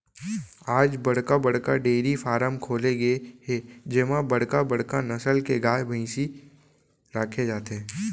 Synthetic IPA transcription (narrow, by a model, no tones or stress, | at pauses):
aːd͡ʒbɐɽ̤kabɐɽ̤kaɖeːɾifaːɾəmkʰoːleɡəeɦed͡ʒɪmãbəɽkabəɽ̤kanɐsəlkeɡaːjbʱɐĩsi | ɾaːkʰed͡ʒaːt̪eɦɛ̃ː